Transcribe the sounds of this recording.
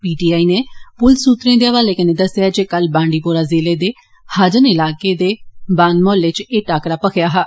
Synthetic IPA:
piːʈiːaːiːneːpʊlsuːt̪ɾẽːd̪eːəʋaːleːkəneːd̪əsːɪjaːd͡ʒeːkəlbãːɳɖiːpoːɾaːzeːleːd̪eː | had͡ʒənɪlaːkeːd̪eːbãːnmoːlet͡ʃeːʈaːkɾaːpəkʰjaːɦaː

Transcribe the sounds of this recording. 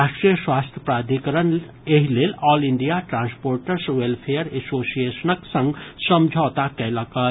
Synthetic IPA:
ɾaːʃʈɾijəswaːst̪ʰjə̥pɾaːd̪ʱikəɾən | eɦileːlɔːliɳɖijaʈɾãːnspoːɾʈəɾsʋelpʰejəɾesoːsijesənəksə̃ŋɡsəmd͡ʒʱaːt̪akɛləkət

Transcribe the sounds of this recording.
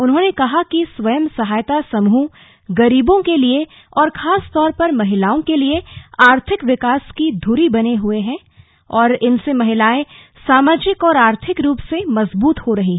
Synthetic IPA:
ʊnɦõnekɐɦakisʋɐjəmsɐɦaːjt̪asɐmɦũ | ɡɐɾiːbõkelie | ɔːɾxʰaːst̪ɔːɾpɐɾmɐɦɪlaːõkelieaːɾt̪ʰɪkʋɪkaːskid̪ʱʊɾibɐneɦʊeɦɛ̃ː | ɔːɾɪnsemɐɦɪlaːẽ | saːmaːd͡ʒɪkɔːɾaːɾt̪ʰɪkɾuːpsemɐzbuːt̪hoɾɐɦi

